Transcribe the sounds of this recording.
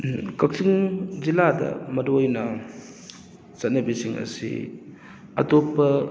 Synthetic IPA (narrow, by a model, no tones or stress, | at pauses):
kɐk̚siŋziladɐ̰mɐɾojnɐ | sɐt̚nɐbisiŋɐ̰sḭ | ɐ̰topːɐ